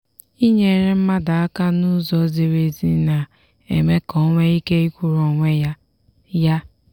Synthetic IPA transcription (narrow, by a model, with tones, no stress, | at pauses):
i˦ɲe˨ɾe˦m̩˦ma˦da˨a˦ka˦nʊ˦zɔ˨˦ze˨ɾe˨zi˦na˨ | ḛ˨me˦kɔ˦ŋʷe˦i˦ke˦i˦kʷu˦ɾo˨ŋʷe˦ja˦ | ja˦